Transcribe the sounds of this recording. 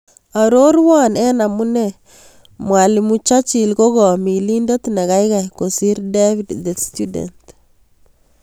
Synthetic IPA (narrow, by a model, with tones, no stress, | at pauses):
a˨ɾo˦ɾwa˦nɛ˦na˨mu˦ne˨ | mwa˨li˨mu˦t͡ʃa˦t͡ʃi˨lko˦ɡɔ˨mi˨li˦ndo˦t̪ne˨ɣa˦jka˨jko˨si˦ɾde˦vi˦dde˨stu˦dḛ˨nt